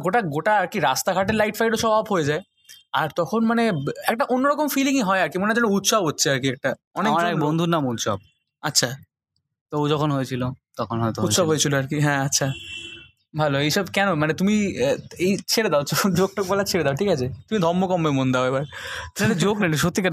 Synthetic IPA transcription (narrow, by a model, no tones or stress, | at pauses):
ɡoʈaɡoʈaaɾkiɾast̪akʰaʈelajʈfʰajʈoʃɔbʱabɦojed͡ʑae | aɾt̪ɔkʰonmaneɛk̚ʈaʔonːoɾɔkomfiliŋɦɔeaɾkimonead͡ʑɛnout̪ʃɔbʱɦotːɕʰeaɾkiɛk̚ʈaɔnekaɾɛkbond̪ʱunːamut̪ʃɔ̰b̚ | atːɕʰa | t̪oowd͡ʑɔkʰonɦojt͡ɕʰilot̪ɔkʰonɦɔet̪out̪ʃɔbʱɦojet͡ɕʰiloaɾkiɦɛ̃atːɕʰa | bʱaloejʃɔbkɛnomanet̪umiejt͡ɕʰeɽed̪aot͡ɕod͡ʑok̚ʈok̚bɔlat͡ɕʰeɾed̪aoʈʰikat͡ɕʰet̪umid̪ʱɔɾmːokɔmːemond̪aoebaɾened͡ʑoɡneniʃ̬ot̪ːika